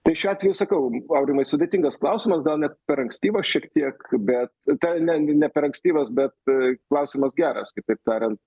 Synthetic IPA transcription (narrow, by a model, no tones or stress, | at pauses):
t̪ɐɪʃʲʊɑːt̪ʲʋʲɛjʊsɐkɐʊɐʊɾʲɪmɐɪsʊd̪ʲeːt̪ʲɪŋɡɐsklˠɐʊsʲɪmɐsɡɐlˠnʲɛt̪pʲɛɾɐŋksʲt̪ʲiːʋɐsʃʲiɛkt̪ʲiɛkbʲɛt̪t̪ɛnʲɛnʲɛpʲɛɾɐŋksʲt̪ʲiːʋɐsbʲɛt̪̚klˠɐʊsʲɪmɐsɡʲæːɾɐskɐɪt̪ɐɪp̚t̪ɑːɾʲɛnt̪̚